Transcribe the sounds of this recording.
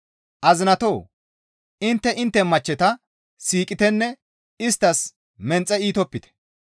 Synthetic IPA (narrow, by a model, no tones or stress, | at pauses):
ʔɐzɪnɐt̪oː | ʔɪnt̪ːɛʔɪnt̪ːɛmɐt͡ʃːɛt̪ɐ | siːkʼɪt̪ɛnːɛ | ɪst̪ːɐs | mɛnt͡sʼːɛiːt̪ɔpːɪt̪ɛ̥